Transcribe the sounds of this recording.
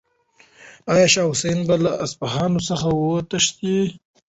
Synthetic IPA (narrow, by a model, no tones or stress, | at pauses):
ɑjɑʃɑwsenbalaʔaspaɦɑnosəxawət̪aʂt̪i